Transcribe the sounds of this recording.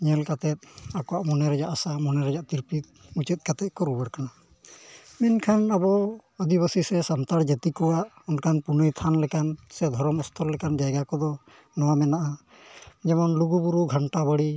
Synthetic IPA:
ɲɛlkat̪ɛt̪̚akɔwaʔmɔnɛɾɛd͡ʒaʔasamɔnɛɾɛd͡ʒaʔt̪iɾpit̪̚ut͡ʃət̪̚kat̪ɛt̪̚kɔɾubəɾkana | minkʰanabɔəd̪ibəsisɛsamt̪aɽd͡ʒət̪ikɔwaʔɔnkʰanpunɔjt̪ʰanlɛkansɛd̪ʱɔɾɔmɔst̪ʰɔllɛkand͡ʒajɡakɔd̪ɔ | nɔwamɛnaʔa | d͡ʒɛmɔnluɡubuɾuɡʱaɳʈabəɽi

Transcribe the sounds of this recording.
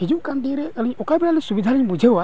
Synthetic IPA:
ɦed͡ʒukand̪iɾɛəliɲɔkabɛɽalɛsubid̪ʱaɾiɲbud͡ʒʱewa

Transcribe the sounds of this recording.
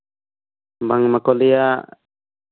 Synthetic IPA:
baŋmakɔlija

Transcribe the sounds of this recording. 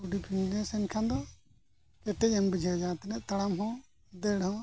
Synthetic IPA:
uɖipʰinlɛsɛnkʰãnd̪ɔ | kɛʈɛcɛmbid͡ʒʱad͡ʒãt̪ɛnɛʔt̪aɽamɦɔ̃ | d̪ɛɽhɔ̃

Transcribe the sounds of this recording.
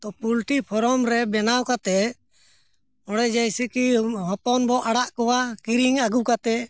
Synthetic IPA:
t̪ɔpulʈipʰɔɾɔmɾɛbɛnawkat̪ɛ | ɔɽɛd͡ʒɛjsɛkiɦɔt̪ɔnbɔʔaɽaʔkɔwakiɾiŋaɡukat̪ɛ

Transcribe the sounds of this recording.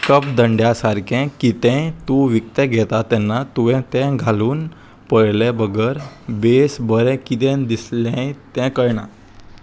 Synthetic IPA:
kəpd̪əɳɖjasaɾkʰɛ̃kit̪ɛ̃t̪ũʋik̚t̪ɛɡʱɛt̪at̪ɛnːat̪uʋɛ̃t̪ɛ̃ɡʱaluːn | pəɽlɛbəɡəɾbesbəɾɛ̃kit̪ɛ̃nd̪islɛ̃t̪ɛ̃kəɾɳa̰

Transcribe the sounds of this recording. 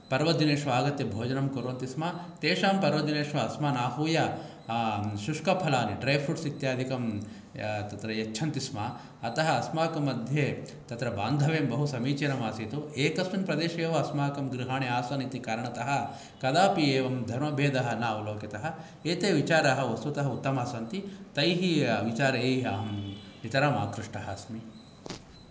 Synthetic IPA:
pɐɾʋɐd̪ineːʂʋɐaːɡɐt̪ːebʱoːd͡ʒɐnɐmkuɾʋɐnt̪ismaː | t̪eːʂaːmpɐɾʋɐd̪ineːʂʋɐɐsmaːnaːɦuːjɐ | ʃuʂkɐpʰɐlaːniɖɾɐjpʰɾuʈsit̪jaːd̪ʱikɐm | t̪ɐt̪ɾɐjɐt͡ʃːt͡ʃʰɐnt̪isma | ɐt̪ɐɦɐːsmaːkɐmɐd̪ʱje | t̪ɐt̪ɾɐbaːnd̪ʱɐʋeːmbɐɦusɐmiːt͡ʃɐɾɐmaːsiːt̪oːeːkɐsminpɾɐd̪eːʃɐeːʋɐɐsmaːkɐmɡɾiɦaːɳiaːsɐːnit̪ikaːɾɐɳɐt̪ɐɦɐ̆ | kɐd̪aːpieːʋɐmd̪ʱɐɾmɐbʱeːd̪ɐɦɐ̆naːʋuloːkit̪ɐɦɐ̆ | eːt̪eːʋit͡ʃaːɾaɦɐ̆ʋɐst̪ut̪ɐɦɐut̪ːɐmaːsɐnt̪it̪ɐjɦiʋit͡ʃaːɾɐeːɦiaɐm | it̪ɐɾamaːkɾiʂʈɐɦɐɐsmi

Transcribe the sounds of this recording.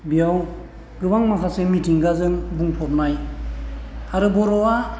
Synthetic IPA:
bijaw | ɡɯbaŋmakʰasemitʰiŋɡazɯŋbuŋpʰɔp̚naj | aɾɯbɔɾɔwa

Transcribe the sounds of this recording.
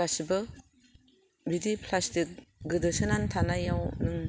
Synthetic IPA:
asibɯ | bidipʰlastik̚ɡɯdɯsɯnantʰanajawnɯŋ

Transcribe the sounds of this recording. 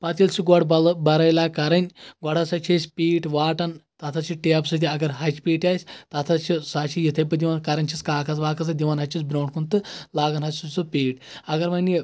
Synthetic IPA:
pɐt̪ilsuɡɔɽbbɐɾɐjlakɐɾɐnʲɡwɔɽɐsɐt͡ʃʰesʲpʲiːʈʋaːʈɐnt̪ɐt̪ʰɐt͡ʃʰiʈeːpsɨt̪ʲiɐɡɐɾɦɐt͡ʃpʲiːʈaːsʲt̪ɐt̪ʰɐt͡ʃʰisaːt͡ʃʰijit̪ʰɐjpɐd̪iʋankɐɾɐnʲt͡ʃʰit͡skaːkʰɐt͡sʋaːkʰɐt͡sɐd̪iʋanɦɐt͡ʃʰit͡sbɾɐwɳkʰunt̪ɨlaːɡɐnɦɐsʲsut͡supʲiːʈɐɡɐɾʋɐne

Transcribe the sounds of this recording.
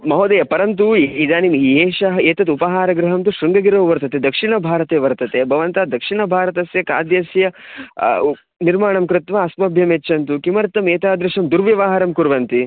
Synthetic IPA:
mɐɦoːd̪ɐjɐpɐɾɐnt̪̬uid̪aːnimeːʃɐɦɐeːt̪ɐt̪upɐɦaːɾɐɡɾɐɦɐmt̪uʃɾuŋɡɐɡiɾɐʋʋɐɾt̪ɐt̪ed̪ɐkʂiɳɐbʱaːɾɐt̪eːʋɐɾt̪ɐt̪ebʱɐʋɐnt̪aːd̪ɐkʂiɳɐbʱaːɾɐt̪ɐsjɐka̰ːd̪jɐsjɐ | niɾmaːɳɐmkɾɪt̪ʋɐːsmɐbʱjɐmet͡ʃːt͡ʃːɐnt̪ukimɐɾt̪ːɐmeːt̪aːd̪ɾɪʂɐmd̪uɾʋjɐʋaːɦɐɾɐmkuɾʋɐnt̪i

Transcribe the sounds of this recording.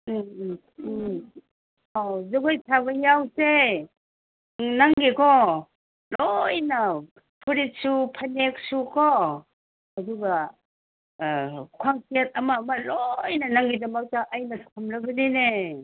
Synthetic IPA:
awzoɡojtʰabɐjawse | naŋɡekʰɔ | lojna | pʰuɾit̚supʰanek̚sukʰɔ | ɐduɡa | kʰwaŋsiat̚ɐmaːmalojnɐnaŋɡidɐmawtaʔːjnɐsʰamɾɐbɐnine

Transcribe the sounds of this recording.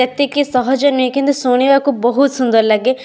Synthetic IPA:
et̪ekesɔɦɔd͡ʒɔnuekind̪usoɽ̃ibakubɔɦut̪sund̪ɔɾlaɡe

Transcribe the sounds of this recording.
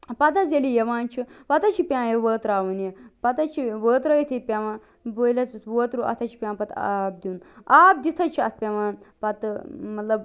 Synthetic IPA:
pɐt̪ɐzelijɐʋaːnt͡ʃʰiʋɐt̪ɐt͡ʃʰipʲãːjɐʋəːt̪ɾaːʋɐnjepɐt̪ɐt͡ʃʰiʋəːt̪ɾɐjit̪ʰipʲɐʋãː | boːilɐt͡sɨt̪ʰʋəːt̪ɾuʔɐ̰t̪ʰɐt͡ʃʰi̥pʲãːnpɐt̪a̰ːb̚d̪inaːb̚d̪it̪ʰɐt͡ʃʰiɐt̪ʰpʲɐʋaːnpɐt̪ɨmɐt̪lɐb

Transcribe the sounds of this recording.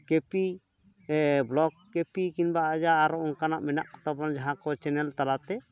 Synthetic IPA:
kepi | blɔɡkːepikinbaʔad͡ʒaːɾɔɔŋkanaʔmɛna̰ʔkɔ̥t̪abɔnd͡ʒaɦãkɔt͡ʃɛnɛlt̪alat̪ɛ

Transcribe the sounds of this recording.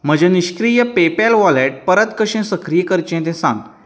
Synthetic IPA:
m̤əd͡ʑeniɕkɾijəpepɛlʋɔleʈ̚pəɾət̪kəɕẽsəkɾijkəɾt͡ɕẽt̪̬ɛ̃sãŋɡ

